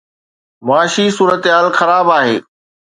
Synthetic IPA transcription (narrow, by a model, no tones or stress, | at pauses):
mʊaːʃisuːɾət̪ɦaːlxɐɾaːbaːɦeː